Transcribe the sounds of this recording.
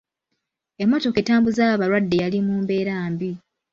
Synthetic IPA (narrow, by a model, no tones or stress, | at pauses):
emːo̞to̞ke̞taːmbuzaβaɾwadːe̞jalimuːmbe̞ːɾaːmbi